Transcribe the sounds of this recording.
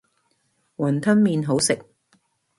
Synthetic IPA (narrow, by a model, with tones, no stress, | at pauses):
wɐ˨˩nt̪ʰɐ˥nmiː˧nɦo˨˥wsɪ˨k̚